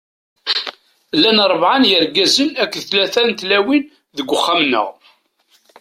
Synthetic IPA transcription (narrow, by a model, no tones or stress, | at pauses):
lːænɾˤəvʕanjəɾɡæzənækːðθlæθænt̪læwin | ðəɡʷːəχːamnə̰ʁ